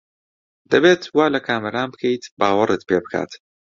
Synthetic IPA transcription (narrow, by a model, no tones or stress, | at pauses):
d̪̥ɐbeːt̪waːlɐkʰaːmɐɾaːnbɨkʰɐjt̪baːwɐɾɨt̪peːbɨkʰa̰ːt̪